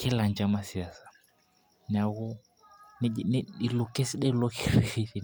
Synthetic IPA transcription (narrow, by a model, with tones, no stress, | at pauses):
kʰɛ˦la˨nd͡ʒa˦ma˦si˨a˦sḁ˨ | n˨a˨ɣɔ˦ | nɛ˦˨nɛ˦i˨lɔ˨kɛ˦si˦ɗɛ˦lɔ˦kɛ˦ɾi˦i˦ɾi˨